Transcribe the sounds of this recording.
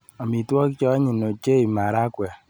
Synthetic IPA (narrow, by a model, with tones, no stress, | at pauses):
a˨mi˨twɔ˦kt͡ʃɔ˦ɲi˨no˨t͡ʃe˦i˨ma˨ɾa˦kwɛ˨